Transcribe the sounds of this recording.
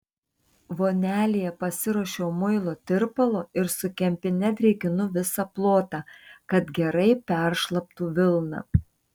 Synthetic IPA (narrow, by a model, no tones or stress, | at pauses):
ʋoːnʲæːlʲɪjɛpɐsʲɪɾɔʃʲoːmʊɪlˠoːt̪ʲɪɾpɐlˠoːɪɾsʊkʲɛmʲpʲɪnʲɛt̪ʲɾʲɛɪkʲɪnʊʋʲɪsɑplˠoːt̪ɑːkɐt̪ɡʲɛɾɐɪpʲæˑɾʃlˠɐp̚t̪uːʋʲɪlˠnɑ̰